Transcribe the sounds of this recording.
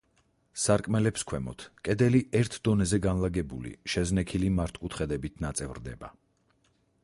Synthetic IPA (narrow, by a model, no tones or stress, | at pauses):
saɾkʼmɛlɛpskʰwɛmɔ̰t̪ʰkʼɛd̪ɛliɛɾt̪ʰd̪ɔnɛzɛɡanlaɡɛbṵlḭʃɛznɛkʰilimaɾt̪ʰʼkʼut̪ʰχɛd̪ɛbit̪ʰnat̪sʼɛvɾd̪ɛ̰ba̰